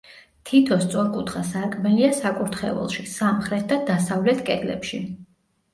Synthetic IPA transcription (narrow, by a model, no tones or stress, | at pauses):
t̪ʰit̪ʰɔst̪sʼɔɾkʼut̪ʰχasaɾkʼmɛliasakʼuɾt̪ʰχɛ̰ɛ̰lˠʃisamχɾɛt̪̚ʰd̪ad̪asavlɛt̪ʰkʼɛd̪lɛ̰pʃi